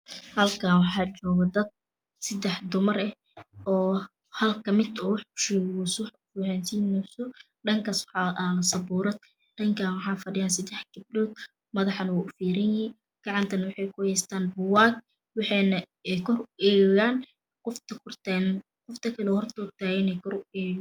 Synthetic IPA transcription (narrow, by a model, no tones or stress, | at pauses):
hɐlkʰaːwɑħɑːt͡ʃɔːɣɔd̪ɐd̪̚ | sɐd̪ɛħd̪ʊmɐrɛ | ʔɔː | hɐlkʰɐmɪd̪ɔːwɑħkʊ̥ʃɛːɣwʊsʊħ | fiːɾansiːnɛsɔ | ɖɐŋkʰaːswħɑʔalɐsɐbuːɾɐd̪̚ | ɖɐŋkʰaːnwɑħɑːfɐɖɪjaːnsɐd̪ɛħɡɪb̚ɗɔːd̪̚ | mɐðɑħɐnɐwaːʔʊfiːɾɐnjɪhi | ɡ̥ɑʕɑnt̪ʰɐnɐwɑħɑjkʰʊhɛjst̪ʰaːnbʊwaːɡ̚ | wɑħɑnɐ | ɛkʰɔrʊʔɛːɣaːn | qʊft̪ʰɐkʰʊrt̪ːn | qʊft̪ʰɐkʰɐlɛhɔrt̪ʰɔʊt̪ʰaːɣɪnɛjkʰɔrʊɛː